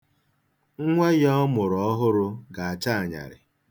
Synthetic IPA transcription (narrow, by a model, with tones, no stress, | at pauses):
ŋ̩˦ŋʷe˦jɔ˦mʊ˨ɾɔ˦ɦʊ˦ɾʊ˦˧ɡa˨a˨t͡ʃa˦a˨ɲa̰˨ɾɪ̰˨